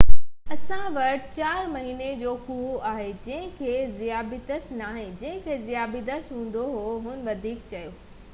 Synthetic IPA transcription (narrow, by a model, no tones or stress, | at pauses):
ɐsãʋɐʈt͡ɕaːɾmɐɦined͡ʑoːkuːaːɦed͡ʑɐ̃ɦɪ̃kʰeːzijaːbid̪əsnaːɦẽd͡ʑɐ̃ɦɪ̃kʰeːzɪjaːbid̪əsɦũːn̆d̪oɦoɦʊn̆ʋɐd̪ʱiːk̚t͡ɕɐjoː